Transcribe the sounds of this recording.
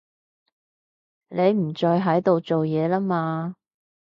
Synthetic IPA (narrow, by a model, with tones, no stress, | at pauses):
ne˨˧jm̩˨˩t͡ʃɔː˧jɦɐ˨˥jt̪o˨wt͡so˨wjɛː˨˧laː˥maː˧